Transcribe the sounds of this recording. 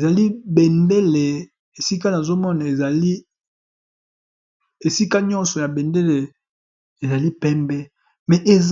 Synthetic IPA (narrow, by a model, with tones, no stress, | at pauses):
e˨za˨li˦bɛ˨nde˦le˨ | e˨si˦ka˦na˨zo˦mɔ˦na˨e˨za˨li˦ | e˨si˦ka˦ɲɔ̃˦nsɔ˨ja˨bɛ˨nde˦le˨ | e˨za˨li˦pɛ˦mbɛ˦ | mɛ˨ʔe˨